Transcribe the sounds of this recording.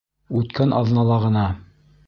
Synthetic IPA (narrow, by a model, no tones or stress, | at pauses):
ʉt̪kænʔɑ̰ðnɑlˠɑʁɤ̆nɑ